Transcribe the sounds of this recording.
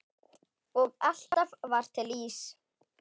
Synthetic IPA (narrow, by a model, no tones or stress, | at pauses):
ɔɣal̥t̪avvar̥t̪ʰɪliːs